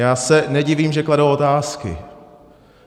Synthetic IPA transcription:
jaːsɛnɛɟɪviːmʒɛkladowot̪aːskɪ̰

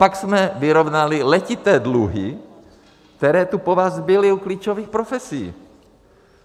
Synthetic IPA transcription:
paksmɛvɪɾo̞vnalɪlɛcɪt̪ɛːdluɦɪ̰ | k̚t̪ɛɾɛːt̪upovaːzbɪlɪukliːt͡ʃoviːxpɾofɛsiː

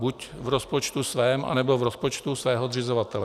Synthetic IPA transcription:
bucvɾospot͡ʃt̪usvɛːmʔa̰nɛbovɾospo̞t͡ʃt̪usvɛːɦod̪rɪzovat̪ɛlɛ

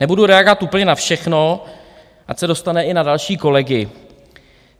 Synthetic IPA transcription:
nɛbuduɾɛaɡo̞vat̪ʔuːpl̩ɲɛnafʃɛxno | ʔacsɛdo̞st̪anɛɪnadalʃiːko̞lɛɡɪ

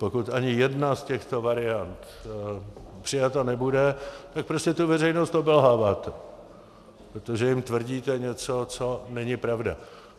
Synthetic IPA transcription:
po̞kut̪ʔaɲɪjɛdnascɛxt̪o̞vaɾɪjant̪ | pr̥ɪjat̪anɛbudɛt̪ak̚pɾoscɛt̪uvɛrɛjnost̪obɛlɦaːvaːt̪ɛ | pɾot̪o̞ʒɛjɪmt̪vr̩ɟiːt̪ɛɲɛt͡so̞t͡so̞nɛɲɪpɾavda̰

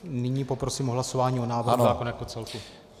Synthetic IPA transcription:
nɪɲiːpo̞pɾosiːmoɦlaso̞vaːɲiːonaːvrnzaːkonjakot͡sɛlku

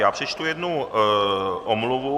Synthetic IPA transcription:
jaːpr̝̥ɛt͡ʃt̪ujɛdnu | ʔomluvu

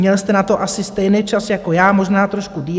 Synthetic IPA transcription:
ɲɛlst̪ɛnat̪o̞ʔasɪst̪ɛjnɪjt͡ʃasjako̞jaːmo̞ʒnaːt̪ɾo̞ʃkudiː

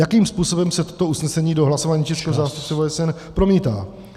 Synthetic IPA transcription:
jakiːmspuːso̞bɛmsɛt̪o̥t̪o̞usnɛsɛɲiːdo̞ɦlaso̞vaːɲiːt͡ʃɛskɛːɦozaːst̪up̚t͡sɛvoɛsɛn | pɾo̞miːt̪a̰ː

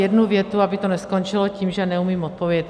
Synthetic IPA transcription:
jɛdnuvjɛt̪uabɪt̪onɛskont͡ʃɪlociːmʒɛnɛumiːmot̪̚povjɛt̪

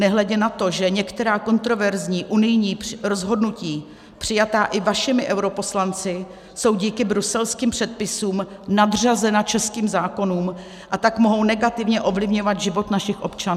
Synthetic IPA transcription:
nɛɦlɛɟɛnat̪o̞ʒɛɲɛkt̪ɛɾaːko̞nt̪ɾo̞vɛɾzɲiːʔunɪjɲiːɾo̞zɦo̞dnuciː | pr̝̥ɪjat̪aːʔɪvaʃɪmɪʔɛwɾo̞po̞slant͡sɪ | so̞wɟiːkɪbɾusɛlskiːmpr̝̥ɛt̪̚pɪsuːmnad̪r̝azɛnat͡ʃɛskiːmzaːko̞nuːm | ʔat̪akmo̞ɦo̞wnɛɡat̪ɪvɲɛʔo̞vlɪvɲo̞vat̪ʒɪvo̞t̪naʃɪxʔo̞pt͡ʃanː

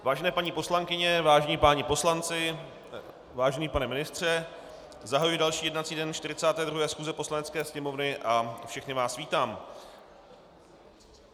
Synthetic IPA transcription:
vaːʒɛnɛːpaɲiːpo̞slaŋkɪɲɛvaːʒɛɲiːpaːɲɛpo̞slant͡sɪ | vaːʒɛniːpanɛmɪnɪst̪r̝̥ɛ | zaɦajujɪdalʃiːjɛdnat͡siːdɛnt͡ʃt̪ɪɾɪt͡saːt̪ɛːdɾuɦɛːsxuːzɛpo̞slanɛt͡skɛːsɲɛmo̞vnɪʔafʃɛxnɪvaːsviːt̪aːm

